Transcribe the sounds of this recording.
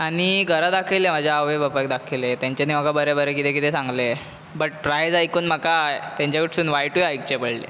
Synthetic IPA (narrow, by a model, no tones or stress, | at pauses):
aɽ̃iɡʱəɾad̪akʰəjlem̤ad͡ʑʱjaaʋebəpak̚d̪akʰilet̪jãɲt͡ɕanimakabəɾebəɾekit̪ekit̪esãŋɡle | bəʈ̚pɾajd͡zajkuːnm̤əkat̪ãɲt͡ɕjakiʈʰsuːnʋajʈujajk̚t͡ɕepəɽlḛ